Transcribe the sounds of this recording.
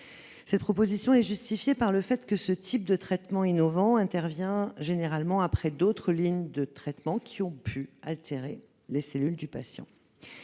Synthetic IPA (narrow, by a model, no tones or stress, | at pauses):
sɛt̪̚pχɔpozisjɔ̃ɛʒyst̪ifjepaʁləfɛt̪kəsət̪ʰip̚d̪ət̪χɛt̪mɑ̃inɔvɑ̃ɛ̃t̪ɛʁvjɛ̃ʒeneʁalmɑ̃apχɛd̪ot̪χəliɲd̪ət̪χɛt̪mɑ̃kʲʰiɔ̃pʰyalt̪eʁe | leselyld̪ypasjɑ̰̃